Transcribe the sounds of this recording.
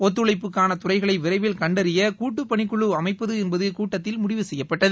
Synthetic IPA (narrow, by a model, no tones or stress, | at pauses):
ɔt̪ːɯɭɐɪpːɯkːaːnɐt̪ʊrɐɪɣɐɭɐɪʋɪrɐɪʋɪlkɐɳɖɐɾɪjɐkuːʈːɯpːɐɳɪkːʊɭɯɐmɐɪpːɐðɯɛnbɐðɯkuːʈːɐt̪ːɪlmʊɽɪʋɯsɛjːɐpːɐʈːɐð